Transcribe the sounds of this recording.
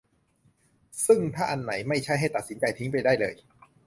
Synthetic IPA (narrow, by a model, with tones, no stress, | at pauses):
sɯ˥˩ŋt̪ʰaː˥˩ʔa˧nːa˩˦jma˥˩jt͡ɕʰa˥˩jɦa˥˩jt̪a˨˩t̪̚si˩˦nt͡ɕa˧jt̪ʰi˦˥ŋpa˧jdaː˥˩jlɤː˧j